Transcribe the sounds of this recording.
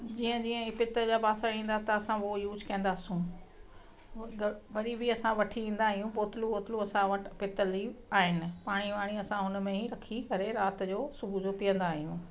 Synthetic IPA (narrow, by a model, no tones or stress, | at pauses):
d͡ʑiːə̃d͡ʑiːə̃ɪpɪt̪əd͡ʑaːbaːsaĩːnd̪at̪ɐɐsãʋojuːd͡ʑkɐ̃ə̃nd̪aːsũ | ʋɐɾibiɐsãʋɐʈʰiĩːnd̪aːɦijũboːt̪ɪluoːt̪ɪluɐsãʋɐʈɪpɪt̪əliaːɦɪnɪ̆paːɽ̃iʋaːɽ̃iɐsãɦʊnmẽɦiɾɐkʰikɐɾeɾaːt̪d͡ʑoːsʊbud͡ʑoːpijə̃nd̪aːɦijũː